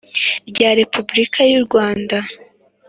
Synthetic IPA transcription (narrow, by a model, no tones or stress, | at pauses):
ɾɟaːɾe̞pʰubɾikʰajuɾɡwaːnda